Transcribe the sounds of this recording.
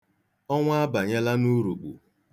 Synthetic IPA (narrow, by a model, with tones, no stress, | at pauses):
ɔ˦ŋʷ˦a˦ba˨ɲe˦la˦nu˦ɾu˨k͡pṵ˨